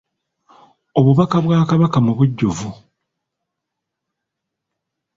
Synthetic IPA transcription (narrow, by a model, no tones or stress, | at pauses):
o̞βuβakaβwaːkaβakamuβuɟːovu